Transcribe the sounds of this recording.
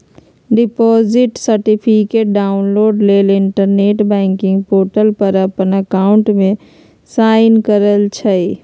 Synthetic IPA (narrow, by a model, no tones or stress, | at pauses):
ɖɪpɔːzɪʈsəɾʈipʰikeʈ̚ɖaːʊnloːɖleːlɪɳʈəɾneːʈbɛ̃ːŋkɪ̃ŋɡ̚poːʈəlpəɾəpənəkaːʊɳʈmẽ | saːɪnkəɾəlt͡ʃʰəj